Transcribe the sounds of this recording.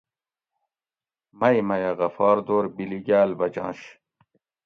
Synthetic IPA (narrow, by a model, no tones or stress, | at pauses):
mɐjmɐjɐɣɐfɑːɾd̪oːɾbiliɡaːlbɐd͡ʑɑ̰̃ːɕ